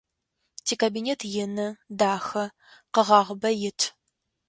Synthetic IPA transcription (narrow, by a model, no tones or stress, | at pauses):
tʰiːkʰabineːtʰjɪnɨdaːxɐ | qəʁɑːʁəbɐjɪtʰ